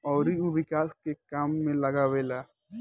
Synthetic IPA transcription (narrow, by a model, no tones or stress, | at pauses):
ɔːɾiuʋɪkaːskekaːmːẽlɐɡaʋeːlaː